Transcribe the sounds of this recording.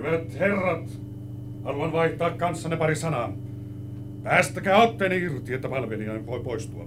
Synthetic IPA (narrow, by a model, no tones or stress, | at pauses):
yʋæt̪herːɑt̪ | hɑluɑnʋɑiht̪ɑːkkɑnsːɑnepɑrisɑnɑ | pæːst̪ækæːot̪ːeːniirt̪iet̪ːæpɑlʋeliɑimpoˑipoˑist̪uɑ̰